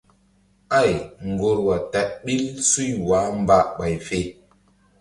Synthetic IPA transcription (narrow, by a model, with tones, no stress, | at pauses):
a˦˨jŋ˨ɡo˨ɾwa˨ta˨ʔɓi˦lsu˦˨jwa˨˦m˦ba˦ʔɓa˨jfe˨